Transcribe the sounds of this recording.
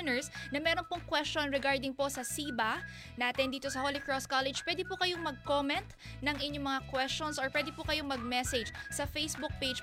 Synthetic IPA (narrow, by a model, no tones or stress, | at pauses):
nɛɹsnɐmɛːɾonpoŋkwɛst͡ʃonɹɛɡaɹd̪ɪŋpo̞sɐsiːbɐ | naːt̪ɪnd̪iːt̪osɐholɪkɹoskalɛd͡ʒpwɛd̪ɪpʊkɐjoŋmɐɡ̚koːmɛnt̪ | nɐŋʔɪɲːomɐŋakwɛst͡ʃonsɔɹpwɛd̪ɪpʊkɐjoŋmɐɡ̚mɛsɛd͡ʒsɐfejsbʊk̚ped͡ʒ